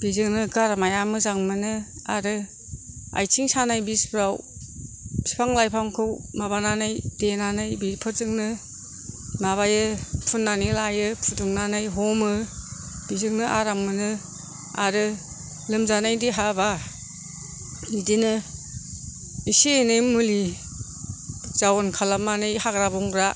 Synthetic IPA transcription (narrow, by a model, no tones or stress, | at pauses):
b̥izɯŋnɯɡaɾmajamɯzaŋmɯnɯ | a̰ɾɯ | a̰jtʰiŋsanajbisbɾaw | si̥pʰaŋlajpʰaŋkʰɯwmaβananajdenanajbipʰɯɾzɯŋnɯ | maβajɯpʰunːanilajɯpʰuduŋnanajɦɔmɯ | b̥izɯŋnɯʔaɾaŋmɯnɯ | aɾɯ | lɯmzanajdiɦaba | nidinɯ | isenɯjmuli | z̥awɔnkʰalamanɯjhaɡɾabɔŋɡɾa